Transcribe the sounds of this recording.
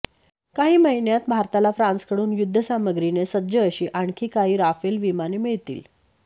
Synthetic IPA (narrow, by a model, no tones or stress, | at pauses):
kaɦiːməɦinjat̪bʱaɾt̪alafɾãnskəɽuːnjud̪ʱːəsaməɡɾinesəd̪d͡ʑəːɕiːʔaɳkʰiːkaɦiːɾafelʋimanemiɭt̪ḭːl